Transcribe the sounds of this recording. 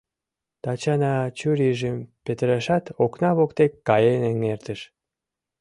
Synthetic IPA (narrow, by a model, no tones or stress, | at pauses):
t̪ɑt͡ɕɑnɑt͡ɕyɾiʒəmpet̪əɾɑʃɑt̪oknɑβokt̪ekːɑjenəŋert̪əʃ